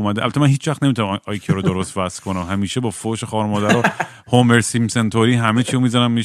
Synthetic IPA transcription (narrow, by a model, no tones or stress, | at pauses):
umæd̪eælbæt̪ʰːemænhiːt͡ʃʰvæχt̪nmit̪ʰunæmʔɒjkʰeɾod̪oɾost̪væskʰonæmɦæmiːʃebɒːfoʃexɒːɾmɒːd̪æɾo | homeɾsimsent̪ʰoɾiɦæmet͡ʃʰiomizænæmːi